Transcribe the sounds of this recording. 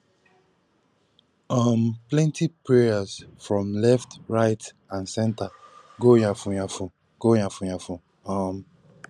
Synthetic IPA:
ʌmplɛ̃ntipɹɛazfɹɔ̃mlɛftɹaɪt | ãnsɛ̃nta | ɡojãfũjafũ | ɡ̥ojãfujafũ | ʌm

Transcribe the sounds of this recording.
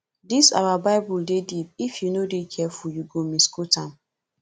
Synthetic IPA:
disa̰wabaɪbuldedibifjunodekʰɛfɔjuɡomĩskɔtãn

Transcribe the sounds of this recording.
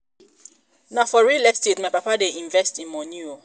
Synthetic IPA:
nafɔɹilɛkstetmajpapadeĩɱvɛstĩnmɔ̃nio

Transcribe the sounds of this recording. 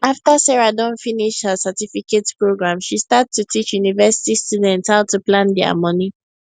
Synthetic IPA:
aftasɛɹadɔ̃nfiniʃthəsatifiketpɹoɡɹãmʃistattːutit͡ʃjunivɛsi̥tistudɛ̃ntshaʊtuplãndɛa̰mɔni

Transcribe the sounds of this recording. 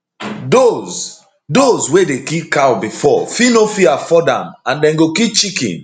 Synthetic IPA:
doz | dozwedekipkawbifɔ̰finofiafɔdã̰mãndɛ̃nɡokip̚t͡ʃikḭ̃n

